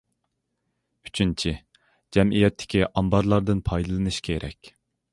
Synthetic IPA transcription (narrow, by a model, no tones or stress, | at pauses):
y̥t͡ʃʰynt͡ʃʰi | d͡ʒɛmijɛt̪ʰːɪ̥kʲiʔɑmbɑɾlˠɑɾd̪ɨnpʰɑjd̪ɨlˠɨnɨʃkʲʰeɾʔɛ̰kʲ